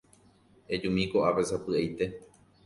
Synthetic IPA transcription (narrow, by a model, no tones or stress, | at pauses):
ed͡ʒũmĩkoʔapesapɨejt̪e̞